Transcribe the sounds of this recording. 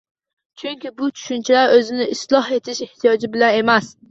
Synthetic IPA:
t͡ʃʰʊŋkʲɪbʊt͡ʃʰʊ̥ʃʊnt͡ʃʰɪlaɾɵzɪnɪʔɪslˠɒhe̞t̪ʰɪʃɪht̪ʰijɒd͡ʒɪbɪlane̞mas

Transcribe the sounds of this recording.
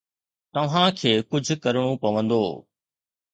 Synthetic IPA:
t̪ɐʋ̤ãkʰeːkʊd͡ʑʱʊ̆kɐɾɽ̃opɐʋə̃nd̪oː

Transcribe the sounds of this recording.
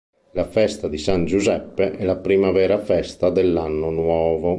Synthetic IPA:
lafɛst̪ad̪isand͡ʒuzɛpːeʔɛlapɾiːmavɛːɾafɛst̪ad̪elːanːonwɔːvo

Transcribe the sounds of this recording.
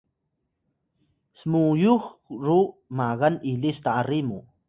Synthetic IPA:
smujuxɾumaɣanilist̪aʔarimu

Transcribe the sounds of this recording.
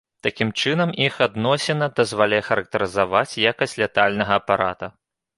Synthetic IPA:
t̪akʲimt͡ʂɨnɐmixad̪nɔsʲɛnɐd̪ɐzvalʲajɛxɐɾɐk̚t̪ɐɾɨzavat͡sʲjakɐsʲlʲɛt̪alʲnɐɣɐːpaɾa̰t̪ɐ

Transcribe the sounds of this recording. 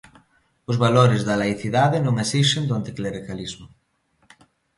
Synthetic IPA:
ʊzβaloɾezðɐlaiθiðaðenõŋesisend̪oant̪ikleɾikalizmʊ

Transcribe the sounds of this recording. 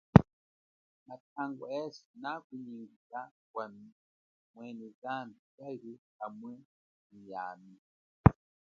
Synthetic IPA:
nat̚ʰaŋɡɔɛsi̥nakiɲiŋɡiza | kwam | mwɛnɛzandukaiɾikamwɛ | nijaːmi

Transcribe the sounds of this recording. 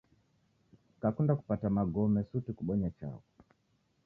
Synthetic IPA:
kakundaku̥patamaɡɔmɛsutikuɓɔɲat͡ʃa̰kɔ

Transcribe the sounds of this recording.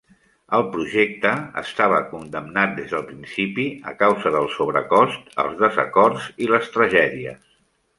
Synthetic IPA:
əlˠpɾuʒek̚t̪əə̰st̪aβ̞əkund̪əmnat̪̚d̪ezðəlˠpɾinsipiə̰kawzəðəlˠsoβ̞ɾəkɔst̪ə̰lˠzðəzə̰kɔɾziləst̪ɾəʒɛðiə̰s

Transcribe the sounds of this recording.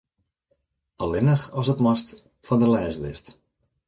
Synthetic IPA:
alɪnəxɔsətmɔst | fɔndəlɛːsdɪ̰st

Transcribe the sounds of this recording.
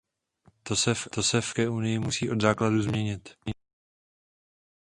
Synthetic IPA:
t̪osɛft̪o̞sɛfkɛʔunɪjɪmusiːʔo̞d̪zaːkladuzmɲɛɲɪt̪

